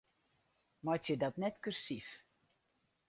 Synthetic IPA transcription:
matjədɔtnɛtkyrsif

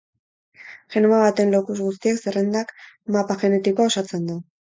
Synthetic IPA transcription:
ʝe̞nomaβat̪e̞nlokuzɣust̪iekserend̪ak | mapaɣe̞ne̞t̪ikoao̞sat͡se̞nd̪u

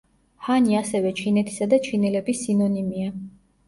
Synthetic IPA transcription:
haniasɛvɛt͡ʃʰinɛt̪ʰi̥sad̪at͡ʃʰinɛlɛbisinɔnimia

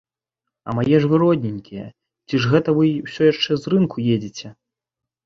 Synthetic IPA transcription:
ɐ̰majɛʐvɨɾɔd̪ʲnʲinʲkʲijɛ̰ | t͡sʲiʐɣɛt̪ɐvɨwsʲɔjaʂt͡ʂɛzrɨnkʰujed͡zʲit͡sʲɛ

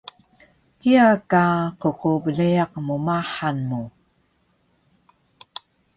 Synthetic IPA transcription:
kiakaqoqovliɑqmumaħanmu

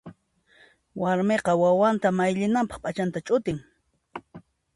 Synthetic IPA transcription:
waɾmeqɑwawant̪amajʎɪnampɑ̥χpʼat͡ʃant̪at͡ʃʼʊt̪ɪŋ

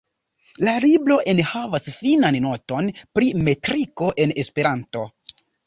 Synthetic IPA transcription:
laliblo̞ʔe̞nhavasfinanːo̞to̞npɾime̞tɾiko̞ʔe̞ne̞spe̞ɾanto̞

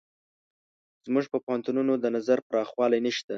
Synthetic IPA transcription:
z̥muʒpəpohant̪ununod̪ənazaɾpɾɑxwɑlajnəʃt̪a

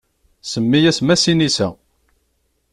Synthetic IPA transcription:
səmːijæsmæsinisæ̰

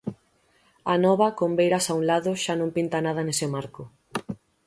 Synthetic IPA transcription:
anɔβakombejɾasauŋlaðʊʃanõmpint̪anað̞ɐnesemaɾkʊ

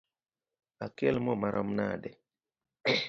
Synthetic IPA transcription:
akelmɔmaɾʔɔmna̰dɛ

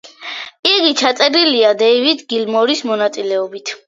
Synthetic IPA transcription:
iɡit͡ʃʰat̪sʼɛɾiliad̪ɛivid̪ɡilmɔɾismɔnat̪sʼilɛɔbit̪ʰ

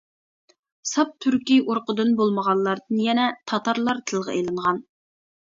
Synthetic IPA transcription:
sɑp̚t̪ʰyɾkʲiʔoɾqʊd̪ɨnbolˠməʁɑnlːˠɑɾd̪ɨnjɛnɛt̪ʰɑt̪ʰɑɾlˠɑɾt̪ʰɨlˠʁɑ̰ḛjlˠɨɴʁɑn

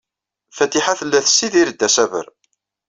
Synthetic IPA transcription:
fæt̪iħaθəlːæθsːiðiɾd̪ːæsævə̰ɾ

